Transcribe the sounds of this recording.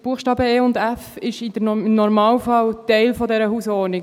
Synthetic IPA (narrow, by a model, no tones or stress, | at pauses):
b̥uəχʃtɑːbəeːʊndæfɪʃɪd̥ənɔɾmɑːlfɑwtɛɪlfɔdɛɾəhuːsɔːni